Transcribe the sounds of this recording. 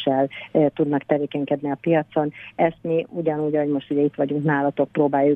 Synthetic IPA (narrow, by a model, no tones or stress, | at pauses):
ɛlt̪ud̪nɒkt̪ɛveːkɛŋkɛd̪niɒpijɒt̪so̞nɛst̪miuɟɒnuːɟɒɦo̞ɟmo̞ʃt̪uɟɛit̪ʋɒɟuŋknaːlɒt̪o̞k̚proːbaːjːu